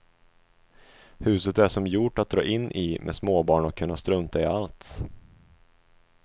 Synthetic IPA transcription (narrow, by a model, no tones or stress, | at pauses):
hʉ̟ːsət̪æʂɔmjuʈat̪̚d̪ɾɑ̰ːʔɪnːʔimʔḛːsmoːbɑːɳɔkʰːɵnːast̪ɾɵnt̪aɪalt̪